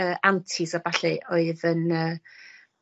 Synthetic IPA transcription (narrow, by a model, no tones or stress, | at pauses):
əːʔantʰɪzabaɬɨʔɔɨðənəː